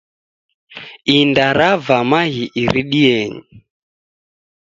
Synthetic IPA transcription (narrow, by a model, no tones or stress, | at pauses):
indaɾavamaɣiʔiɾiɗiɛɲi